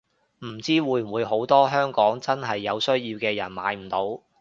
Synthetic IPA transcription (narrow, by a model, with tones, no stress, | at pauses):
m̩˨˩t͡siː˥wuː˨˧j̩˨˩wuː˨˧jɦo˨˥wt̪ɔː˥ɦœː˥ŋkɔː˨˥ŋt͡sɐ˥nɦɐ˨jːɐ˨˧wsɵ˥ɥjiː˧wkɛː˧jɐ˨˩nma̰ː˨˧˥jm̩˨˩t̪o˨˥w